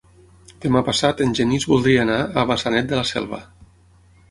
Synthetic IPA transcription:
d̪̥emapasat̪ənʲʒenizβulˠd̪ɾiaːnaəβasanɛt̪̚d̪əlasɛ̰lˠβə̰

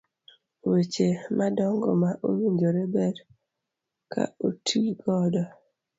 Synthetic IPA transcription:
wet͡ʃemadɔŋɡɔmaʔowiɲd͡ʒoɾebɛɾ | kʰa̰otʰiɡɔdɔ

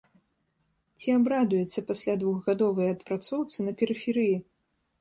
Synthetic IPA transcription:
t͡sʲiabɾad̪ujɛt̪sʲːɐpasʲlʲad̪vuɣɣad̪ɔvɐjɐt̪pɾat̪sɔwt̪sɨnɐpʲɛɾɨfʲɛɾɨji

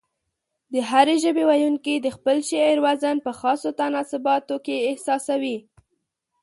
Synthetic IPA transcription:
d̪əɦaɾeʒəbewajunkid̪əxpəlʃeɾwazanpəxɑsot̪anɑsɪbɑt̪okeːhsɑsawi

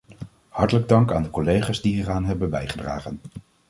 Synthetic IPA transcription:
hɑɹtələɡ̚dɑŋkaːndəkɔlejχaːzdiɦiːraːnɦɛbənbɛjχədra̰ːχən

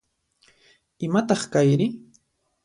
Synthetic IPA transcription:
ɪmat̪ɑχkajɾɪ

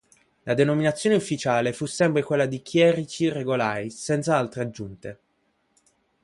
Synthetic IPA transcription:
lad̪enominat̪sːjoːneufːit͡ʃaːlefusːɛmpɾekwelːad̪ikʰjɛɾit͡ʃireɡolajsɛnt̪saalt̪ɾead͡ʒːunt̪e

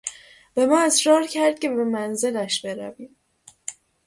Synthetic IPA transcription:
b̥e̞mɒːesɾɒːɾcʰæɾd̪̥̚cʰe̞bemænze̞læʃb̥e̞ɾæviːm

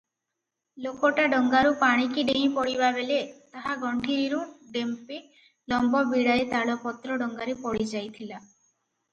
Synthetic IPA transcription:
lokɔʈaɖɔŋɡaɾupaɽ̃ikiɖeɦĩpɔɽibabelet̪aɦaɡʱɔɳʈʰiɾiɾũɖempi | lɔmbɔbiɽaet̪aɽɔpɔt̪ɾɔɖɔŋɡaɾepɔɽid͡ʒajt̪ʰila

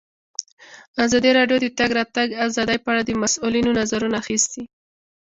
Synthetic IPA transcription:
azɑd̪iɾɑɖjod̪ət̪aɡɾɑt̪aɡazɑd̪əjpəaɽad̪əmasulinonazaɾunaːxist̪i

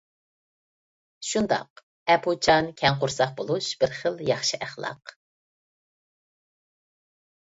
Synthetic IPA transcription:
ʃund̪ɑ̰q | ɛpʰut͡ʃʰɑnkʲʰɛŋqʊɾsɑχbolˠuʃb̥ɪɾχəlˠjɑχʃɨʔæχlˠɑ̰q

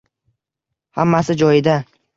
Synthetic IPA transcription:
hamːasɪd͡ʒɒjɪd̪a

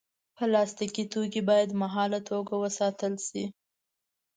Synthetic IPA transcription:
pəlɑst̪ikit̪okibɑjad̪maɦɑlat̪ʰoɡawəsɑt̪əlʃi

